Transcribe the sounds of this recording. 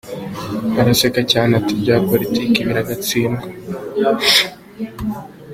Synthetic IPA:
aɾasekacaːnatibɟaːpolitiːkiβiɾaɡat͡siːŋɡo

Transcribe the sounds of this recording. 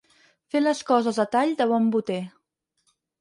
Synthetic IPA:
feləskɔzəzðət̪aʎd̪əβ̞ɔmbut̪e

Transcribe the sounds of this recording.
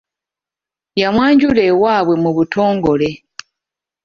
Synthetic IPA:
jamwaːɲɟule̞ːwaːβwe̞muβutʰo̞ːŋɡo̞le̞

